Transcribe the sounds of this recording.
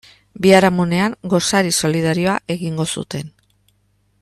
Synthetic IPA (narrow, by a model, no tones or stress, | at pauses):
biaɾamune̞aŋɡo̞saɾiso̞lið̞aɾio̞aʔe̞ɣiŋɡo̞sṵt̪e̞n